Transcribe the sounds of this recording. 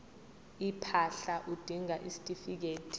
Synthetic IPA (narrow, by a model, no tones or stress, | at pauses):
ipʰaɬaʔud̥ʱiŋaʔisi̥tʼifik̬eːtʰʼi̥